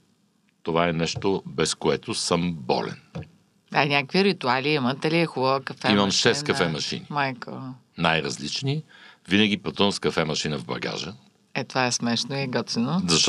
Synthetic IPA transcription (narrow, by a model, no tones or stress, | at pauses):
t̪ovaɛnɛʃt̪obɛskoɛt̪ʊsəmbɔ̰lɛ̰n | anʲakəkviɾit̪ualiimət̪ɐliɛxubəvəkɐfɛimɐmʃɛskɐfɛmɐʃḭnimajko̰ | najɾɐzlit͡ʃni | vinəɡ̟ipɐt̪umskɐfɛmɐʃinəvbɐ̰ɡa̰ʒə | ɛt̪ovaɛsmɛʃnoiɡɔt̪inozɐʃ